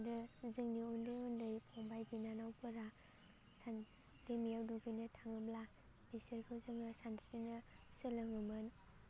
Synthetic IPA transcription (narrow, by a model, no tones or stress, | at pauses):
dɯzɯŋniundɯjundɯjpʰɔŋbajbinanawpʰɯɾa | san | lemijawduɡɯjnɯtʰaŋɯbla | b̥isɯɾkʰɯwzɯŋasansinɐsɯlɯŋɯmɯn